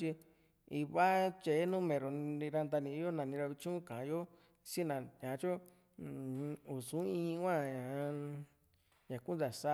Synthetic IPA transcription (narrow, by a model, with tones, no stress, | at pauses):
t͡ʃi˧ | i˧βa˦t͡ʃe˨˦nũ˦mẽ˨ɾõ˨˧ɾa˧nd̪a˧nĩ˧˦jo˦nã˨nĩ˧ɾa˧βi˧t͡ʃũ˦kã˨˧jo˦ | si˦nã˨ɲã˨˧˦t͡ʃo˦˨˧ | u˨sũ˨˦ĩ˧˦˧kʷã˦˨ɲã˨˦ | ɲã˨ku˦d̪a˨sa˦˧